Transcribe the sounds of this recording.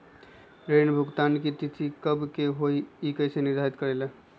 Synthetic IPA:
ɾenbʱuɡt̪ankit̪it̪ikəbkeɦoiikəjseniɾd̪ʱaɾit̪kəɾelə

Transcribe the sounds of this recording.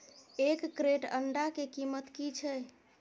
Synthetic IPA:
ekːɾeʈə̰ɳɖakekimət̪kit͡ʃʰɛ

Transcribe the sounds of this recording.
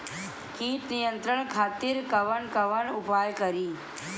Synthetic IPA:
kĩːt̪nijə̃nt̪ɾəɳ̃kʰaːt̪iɾkɐʋəɳkɐʋəɳʊpaːjkəɾiː

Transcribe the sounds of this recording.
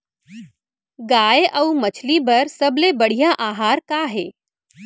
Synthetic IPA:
ɡaːjʔəwmət͡ʃʰlibəɾsəblebəɽ̤ijaʔaɦaːɾkaɦe

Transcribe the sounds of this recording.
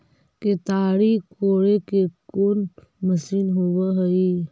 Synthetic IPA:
ket̪aːɾikoːɽekekoːn | məsiːnɦowaɦəi

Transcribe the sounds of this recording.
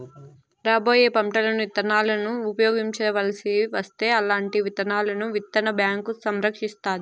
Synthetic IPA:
ɾaːbo̞ːjeːpɐmʈɐlɐnuit̪ɐnaːlɐnuːpɐjoːɡiɲt͡ʃɛːʋɐlɐsiʋɐst̪e̞ːɐlaːɳʈiʋit̪ɐnaːlɐnuʋit̪ːɐnɐbjaːŋkusɐmɾɐkʂist̪aːd̪i

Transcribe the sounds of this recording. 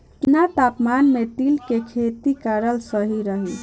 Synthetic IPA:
pnat̪apmanmet̪ilkekʰet̪ikaɾəlsəɦiɾəɦi

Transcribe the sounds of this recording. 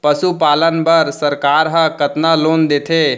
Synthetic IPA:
pəsupalənpəɾsəɾkaɾɦə̃kət̪naloːnd̪et̪ʰe

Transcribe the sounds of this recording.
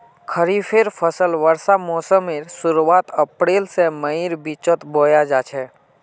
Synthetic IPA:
kʰəɾipʰeɾpʰəsəlʋəɾsamɔːsəmeɾsʊɾuaːt̪əpɾeːlseməiɾbit͡ʃət̪boːjad͡ʒaːt͡ʃʰɛː

